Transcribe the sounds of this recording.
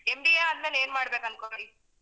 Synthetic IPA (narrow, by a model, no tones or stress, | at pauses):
embieɐnmeleːnmaːɽbeːkɐnkoɾɐɭi